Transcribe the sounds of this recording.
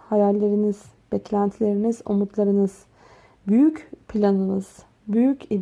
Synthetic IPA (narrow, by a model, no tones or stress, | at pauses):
hajæɾlʲe̞ɾiniz̥ | b̥ɛclʲænt̪ʰilʲe̞ɾinizo̞̰mut̪lˠaɾɯnɯz̥ | byjycpʰlʲanɯnɯz̥ | byjyci